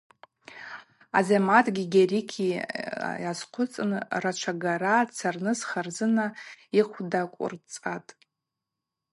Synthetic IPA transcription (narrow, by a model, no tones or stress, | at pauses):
a̰zematʼɡʲiɡʲarikʲʰi | jazqʷʰʊt͡sʼɨnrat͡ʃʷʰaɡaɾat͡sʰarnɨzχarzɨnaiχʷdakʷʼʊ̰rt͡sʼatʼ